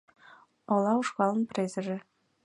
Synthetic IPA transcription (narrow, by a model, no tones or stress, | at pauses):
ŏlˠɑuʂkɑlˠɤ̆nprʲezʲɘ̆ʒɘ̆